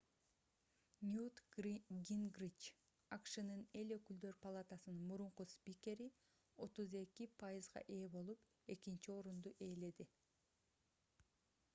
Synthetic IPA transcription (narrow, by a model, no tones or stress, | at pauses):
nʲjut̪ɡʲinɡrit͡ʃ | ɑqʃɯnɯne̞lø̞kyld̪ø̞ɾpɐlˠat̪asɯnɯnmuɾuɴquspʲikʲe̞ɾi | o̞t̪uze̞kipʰajizʁɑ̰ʔe̞ːbo̞lˠup | e̞kint͡ʃio̞ɾund̪uʔe̞ːle̞d̪i